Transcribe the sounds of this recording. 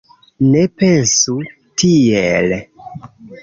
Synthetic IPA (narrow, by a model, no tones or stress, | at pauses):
nepe̞nsu | tʰiel